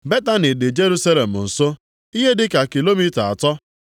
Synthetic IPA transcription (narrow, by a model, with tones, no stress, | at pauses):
be˦ta˦nɪ˨dɪ˨d͡ʒe˦ɾu˦sa˦le˨m̩˨n̩˨so˦ | i˦ɦe˦dɪ˦ka˨ki˨lo˦mi˦ta˨a̰˨tɔ˦